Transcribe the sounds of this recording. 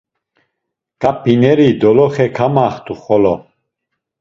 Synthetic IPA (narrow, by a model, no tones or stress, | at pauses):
kʼapinɛɾid̪ɔlɔχɛkʰamaχt̪ʰʼuχɔlɔ